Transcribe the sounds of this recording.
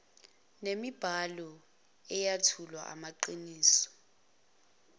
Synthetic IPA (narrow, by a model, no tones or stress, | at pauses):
nemib̥ʱalɔ | ɛjatʰulwa̰ʔa̰maǃiniːsɔ̥